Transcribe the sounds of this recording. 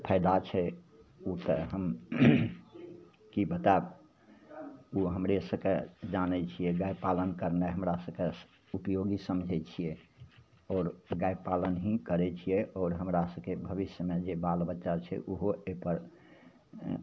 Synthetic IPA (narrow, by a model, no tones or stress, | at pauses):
pʰəɪd̪at͡ʃʰɛ | ut̪əɦəm | kibət̪ab | uɦəmɾesəbked͡ʒanɛt͡ʃʰijɛɡajpalənkəɾnaɦəmɾasəbke | upjoɡisəmd͡ʒʱɛt͡ʃʰijɛ | ɔːɾɡajpalənɦĩkəɾɛt͡ʃʰijɛʔɔːɾɦəmɾasəbkebʱəbisjəmed͡ʒebalbətːʃat͡ʃʰɛ̰ʔuɦoepəɾ